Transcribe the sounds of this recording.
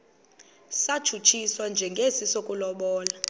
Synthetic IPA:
sḁt͡ʃʰut͡ʃʰiswand͡ʒʱɛŋɡʱesisokʼulɔɓɔːla

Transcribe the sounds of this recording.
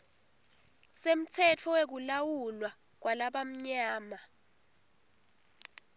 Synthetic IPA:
sem̩t͡sʰɛtʰɔwek̬ulawulwa | k̬wʔalaɓam̩ɲaːma

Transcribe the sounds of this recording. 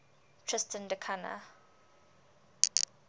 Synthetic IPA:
tʰɹɪstʰə̃ndəkʰana̰

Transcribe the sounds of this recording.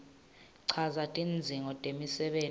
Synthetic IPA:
ǀʰazatʼind͡zʱiŋʱɔtʼemisɛɓeː

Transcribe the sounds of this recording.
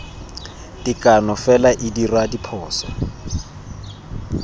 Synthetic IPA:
tʼikʼanɔfɛlaʔɪdirwadipʰɔːsa

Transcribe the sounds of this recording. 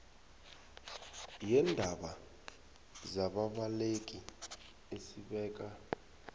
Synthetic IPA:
jɛndʱaɓa | zaɓaɓalek̬ʼi | esiɓɛːk̬ʼa

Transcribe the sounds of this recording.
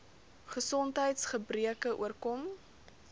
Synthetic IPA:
χəsɔntɦəjtsχəbriəkəʔṵərkɔm

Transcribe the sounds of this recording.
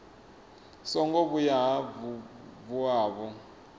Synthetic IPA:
sɔŋɡɔβujaɦavβuaːβɔ

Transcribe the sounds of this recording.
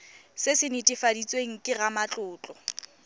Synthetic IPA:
sɪsɪnɪtʼɪfadit͡sʼweŋ̩kʼɪɣamat͡ɬʼʊːt͡ɬʼɔ

